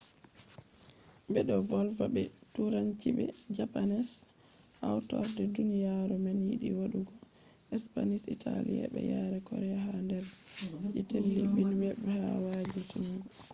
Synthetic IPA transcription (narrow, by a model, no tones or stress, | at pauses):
bɛɗɔvɔlvabɛtuɾaɲt͡ʃibɛ̰d͡ʒapanɛs | ʔawtɔ̰ɾdɛdunijaɾumanjiɗḭwoɗuɡɔ | ɛspanisitʰalḭja̰ɓɛ̰jaɾɛkɔɾɛjaɦandɛɾʔɛtelːiɓinwɛɓɛhawad͡ʒusum